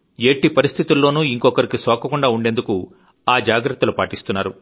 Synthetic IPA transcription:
eːʈːipɐɾist̪ʰit̪ulːo̞ːnuːiŋkɔkɐɾikisɔːkɐkuɳɖaːuɳɖe̞nd̪uku | aːd͡ʒaːɡɾɐt̪ːɐlupaːʈist̪unːaːɾu

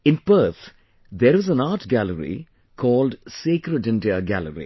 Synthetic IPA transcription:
ɪ̃nbəːt̪ | d̪eɾʋɔzə̃naːʈɡæləɾḭ | kʰɔːlɖseːkɾəɖɪ̃nɖiəɡæ̰ləɾḭ

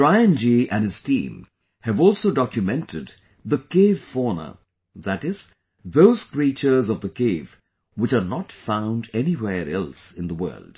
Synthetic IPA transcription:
ɹaɪɨ̃nd͡ʒiʔæ̃nɨz̥tḭ̃m | hɨvɔlˠsoʊdɑkjɨmɛ̃ntʰɨd̪ | ðəkeɪv̥fɔnə̰˞ | ðæɾɪz̥ | ðoʊz̥kɹit͡ʃə˞zʌvðəkʰeɪv | wɨt͡ʃənətfãʊ̃ndɛniwɛɹɛlˠsɨ̃nðəwɜ̰˞ld̥

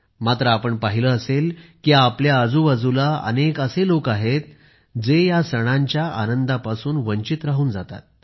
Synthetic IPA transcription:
mat̪ɾəapəɳpaɦiləːselkiapljaəd͡zuːʋad͡zulaə̰nekəselokaɦet̪̚ | d͡zejasəɽ̃aɲt͡ɕjaʔanənd̪apasuːnʋəɲt͡ɕit̪ɾaɦuːnd͡zat̪a̰t̪̚

